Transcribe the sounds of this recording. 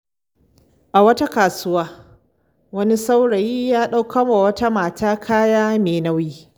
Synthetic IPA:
ʔa˨wɐ˦ta˦kaː˨sʊ˦waː˦ | wɐ˦ni˦sa˦wɽɐ˨jiː˦jaː˦ɗa˦wkɐ˦ma˨wɐ˦ta˦maː˨taː˦kʰaː˦jaː˦meː˨na˦wjiː˦

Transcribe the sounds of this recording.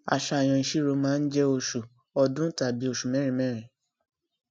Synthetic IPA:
a̰˨ʃa˧˨j̃ã˨i˨ʃi˦ɾo˨˧mãː˦n̩˦d͡ʒɛ˦o˧ʃu˨ | ɔ˧dũ˦ta˨bi˨˦o˦˨ʃu˨mɛ̃˨˦ɾ̃ĩ˨mɛ̃˦ɾ̃ĩ˨

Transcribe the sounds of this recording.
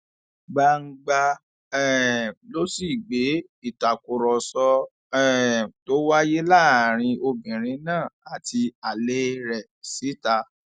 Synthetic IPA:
ɡ͡ba˧ŋ̩˦ɡ͡ba˧ | ɛ˦˨lo˦si˦˨ɡ͡be˨˦ | i˦˨ta˨ko˨ɾɔ˨sɔ˧ | ɛ˦˨to˦wa˦je˦la˦˨ɾ̃ĩ˧o˧bĩ˨ɾ̃ĩ˧˦nãː˦˨a˨ti˧a˨le˦ɾɛ˨ | si˨˦ta˧

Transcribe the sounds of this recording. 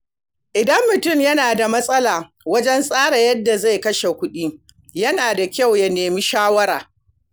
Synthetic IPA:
ʔɪ˨dɐ˦mːʊ˨tʊ˦˨mjɐ˦naː˨da˨mɐ˦sʼɐ˦laː˨ | wɐ˦d͡ʒɛ˦nsʼaː˦ɽa˨jɐ˦dːa˨za˦˨jkɐ˦ʃe˨kʷʊ˦ɗiː˦ | jɐ˦naː˨da˨kʲa˦˨wjɐ˦neː˨miː˦ʃaː˦wɐ˦ɾaː˨

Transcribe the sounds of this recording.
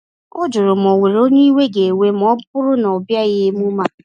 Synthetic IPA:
ʊ˦d͡ʒʊ˨ɾʊ˨m˨ɔ˨we˨ɾo˦ɲʊ˦i˦we˦ɡe˨we˦m˨ɔ˦bʊ˦ɾʊ˦nɔ˨bja˦ɣɪ˦mu˦ma˦

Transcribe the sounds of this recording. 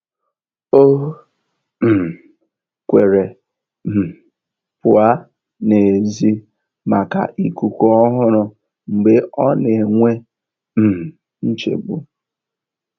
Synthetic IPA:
o˦ɦ | m̩˨ | kʷe˨ɾe˨ | m̩˨ | pʊ˨a˦ | ne˨zi˦ | ma˨ka̰˨ʔi˦ku˨kʷo˦ɔ˦ɦʊ˦ɾʊ˨ | ŋ͡m̩˨ɡ͡be˦ʔɔ˦ne˨ŋʷe˦ | m̩˨ | n̩˦t͡ʃḛ˨ɡ͡bṵ˦

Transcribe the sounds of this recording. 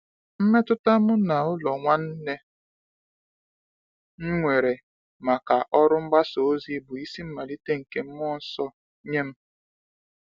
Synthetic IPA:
m̩˦me˦tʊ˦ta˦mʊ˦na˨ʊ˦lɔ˨ŋʷa˦n̩˦ne˦ | ŋ̩˦ŋʷe˨ɾe˨ | ma˨ka˨ʔɔ˦ɾʊ˦m̩˦ɡ͡ba˦so˨˦zi˦bu˨i˦si˦m̩˦ma˨li˦te˦ŋ̩˨ke˦m̩˦mɔ˦n̩˦sɔ˦ | ɲe˦m̩˦

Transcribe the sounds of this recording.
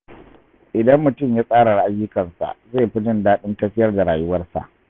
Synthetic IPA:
ʔɪ˨dɐ˦mːʊ˨tʊ˦˨mjaː˦sʼaː˦ɽa˨rʔa˦jːʊ˦kɐ˨nsa̰˨ʔze˦˨ɸɪ˦d͡ʒɪ˦ndaː˦ɗɪ˦ntɐ˦ɸɪ˦jɐ˦rda˨ɽaː˨jʊ˦wɐ˦rsa̰˨ʔ

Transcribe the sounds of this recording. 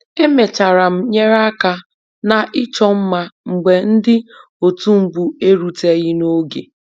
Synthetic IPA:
e˦me˨t͡ʃa˨ɾa˨m̩˦ɲe˦ɾa˦ka˦ | na˨ʔɪ˦t͡ʃɔ˦m̩˦ma˦ŋ͡m̩˨ɡ͡be˨n̩˦dɪ˦ | o˨tu˦m̩˦bu˨e˦ɾu˨te˦ɣɪ˦no˦ɡḛ˨

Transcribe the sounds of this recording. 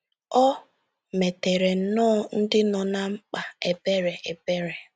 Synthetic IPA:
ɔ˦ | me˨te˨ɾe˨˦nɔ˦n̩˦dɪ˦nɔ˨na˨ŋ͡m̩˦k͡pa˨e˨be˦ɾe˨ʔe˨be˦ɾe˨

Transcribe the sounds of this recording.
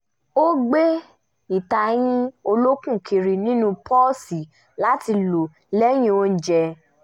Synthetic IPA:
o˦ɡ͡be˦ | i˨ta˨j̃ĩ˦o˧lo˦kũ˦˨kʰi˧ɾi˨nĩ˦nũ˦pɔ˦si˨ | la˨˦ti˧lo˨ | lɛ˦j̃ĩ˧˦o˧n̩˨d͡ʒɛ˧

